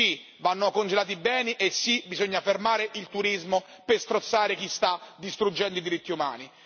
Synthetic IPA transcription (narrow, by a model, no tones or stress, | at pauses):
i | vanːokond͡ʒelaːt̪̬ibɛːniʔesːibizoɲːafermaːɾeʔilt̪uɾizmo | pest̪ɾot̪sːaːɾek̟ist̪ad̪ist̪ɾud͡ʒːɛnd̪oid̪iɾit̪ːiuma̰ːni